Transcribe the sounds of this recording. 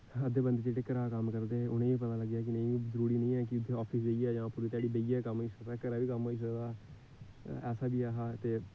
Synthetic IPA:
əd̪eːbənd̪eːt͡ʃeːʈeːkəɾaːkəmkəɾd̪eːʊnẽːʋiːpət̪aːləɡjaːk̬ɪnə̃ĩːiːzəɾuːɾiːnə̃ĩːɛːk̬ɪʊd̪ʱːeːɔːpʰisd͡ʒeiɛːd͡ʒãːpuːɾiːt̪jaːɽiːbeiaːkəmɦoːiːsəkd̪aːkəɾaːʋiːkəmɦoːiːs̬əkd̪aː | ɛːsaːbiːaːɦaːt̪eː

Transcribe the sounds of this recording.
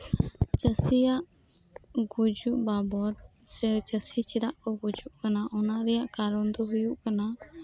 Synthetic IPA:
t͡ʃəsijaʔ | ɡud͡ʒuʔbabɔt̪̚sɛt͡ʃəsit͡ʃiɾaʔkɔɡud͡ʒuʔkanaʔɔnaʔɾɛjaʔkaɾɔnd̪ɔɦujuʔkana

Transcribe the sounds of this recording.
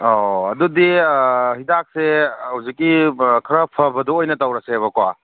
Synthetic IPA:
ɔɐdudihidak̚sehawzikːikʰɐɾɐpʰɐbɐdoojnɐtawɾɐseβɐkwa

